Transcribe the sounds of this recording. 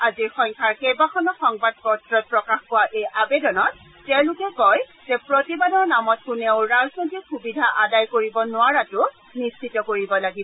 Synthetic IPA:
aziɹxɔŋkʰaɹkejbakʰɔnɔxɔŋbad̚kɔɹtɹɔt̚pɹɔkaxkʊwaʔejʔabedɔnɔt̚ː | ɛʊ̃lʊkɛkɔjzɛpɹotibadɔɹnamɔt̚kuneʊɹaznotixubidʱaʔadajkoɹibɔnʊaɹatʊ | nist͡ʃʰitɔkoɹibɔlaɡibɔ

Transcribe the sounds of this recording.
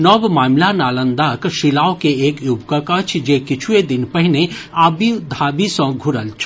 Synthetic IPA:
nɔbmaːmlanaːlə̃nd̪aːkʃɪlaːokeeːkjubkəkət͡ʃʰd͡ʒekɪt͡ʃʰued̪ɪnpəɦneaːbid̪ʱaːbisɔ̃ɡʱʊɾəlt͡ʃʰ

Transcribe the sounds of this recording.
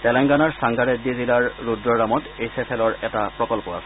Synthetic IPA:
tɛlɛŋɡanaɹsaŋɡaɹedːizilaɹːudɹɔɹamɔtejsepʰɛlɔɹɛtapɹɔkɔlpɔa̰sɛ

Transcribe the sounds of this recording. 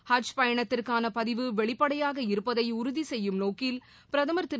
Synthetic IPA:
hɐt͡ʃpɐjɐɳɐt̪ːɪrkaːnɐpɐðɪʋɯʋɛɭɪpːɐɽɐjaːɣɐɪɾɯpːɐðɐɪʊɾʊðisɛjːɯmnoːkɪl | pɪɾɐðɐmɐɾt̪ɪ

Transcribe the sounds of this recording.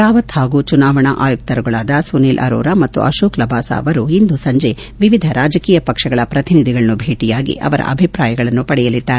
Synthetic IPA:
ɾaːʋɐt̪haːɡuːt͡ʃunaːʋɐɳɐʔaːjuk̚t̪ɐɾuɡɐɭaːd̪ɐsuneːlʔɐ̰ɾo̰ːɾamɐt̪ːṵʔɐ̰ʃoːklɐbʱaːsɐ̰ːɐʋɐɾuind̪usɐɲd͡ʒe̞ | ʋiʋid̪ʱɐɾaːd͡ʒɐkiːjɐpɐkʂɐɡɐɭɐpɾɐt̪inid̪ʱiɡɐɭɐnubʱeːʈijaːɡḭʔɐ̰ʋɐɾɐ̰ʔɐ̰bʱipɾaːjɐɡɐɭɐnːupɐɽɛjɐlid̪ːaːɾe

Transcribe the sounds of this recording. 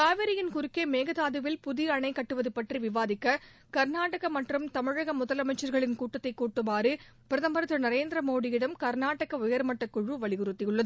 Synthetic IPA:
kaːʋɪɾɪjɪnkʊɾɪkːeːmeːɣɐðaːðɯʋɪlpʊðɪɐɳɐɪkːɐʈːɯʋɐðɯpːɐʈriʋɪʋaːðɪkːɐ | kɐɾnaːʈɐɣɐmɐʈrɯmt̪ɐmɪɻɐɣɐmʊðɐlɐmɐɪt͡ʃːɐɾɣɐɭɪnkuːʈːɐt̪ːɐɪkːuːʈːɯmaːɾɯ | pɪɾɐðɐmbɐɾɐt̪ːɯnɐɾeːnd̪ɾɐmoːɽɪjɪɽɐmkɐɾnaːʈɐɣɐʊjɐɾmɐʈːɐkːʊɻʋɯʋɐɭɪɣɯɾɯt̪ːɪjɯɭːɐðɯ

